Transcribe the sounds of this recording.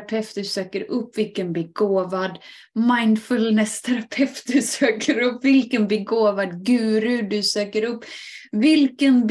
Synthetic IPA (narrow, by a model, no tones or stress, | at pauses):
pʰɛft̪d̪ɵsøːkəɾɵpːvɪlkənbɛɡoːvad̪ | maɪnd̪fɵlnɛst̪ʰɛɾapʰɛft̪̚d̪ʉsøːkʰəɾɵpːvɪlkənbɛɡoːvad̪ɡʉ̟ːɾʉd̪ɵsøːkəɾɵpːvɪlkənb